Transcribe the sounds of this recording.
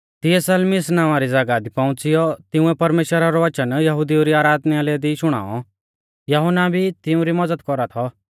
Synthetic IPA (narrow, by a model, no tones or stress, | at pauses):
t̪ɪɛsɐlmɪsnãːʋ̃aɾid͡zɐɡad̪ipãʊ̃t͡sɪjɔt̪ɪʊ̃ɛpɐɾmeːʃwəɾaɾɔʋɐt͡ʃənjɐɦʊd̪iuɾiaːɾaːd̪nijaleːd̪iʃʊɽ̃a̰ːɔ̰ | jɐɦɔnabʱit̪ɪʊ̃ɾimɐd͡zəd̪kɔɾat̪ʰɔ